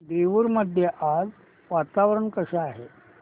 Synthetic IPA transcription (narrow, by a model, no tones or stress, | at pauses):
d̪ɾiʋuɾməd̪ʱjeʔad͡z | ʋat̪aʋɾəɳkəɕaːɦe